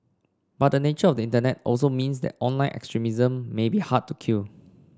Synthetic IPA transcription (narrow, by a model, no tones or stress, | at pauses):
bat̚dənet͡ʃəɔfdəĩntənɛt̚ɔ̰lsomĩns̬dɛ̰tɔ̃nlãɪ̃nʔɛ̰kstɹimizə̃mːebihad̚tːukʰil